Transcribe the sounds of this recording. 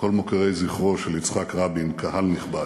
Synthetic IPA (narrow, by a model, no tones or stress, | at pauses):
ko̞lmokaʁejziχʁoʃelit͡sχakʁabinkʰahalniχba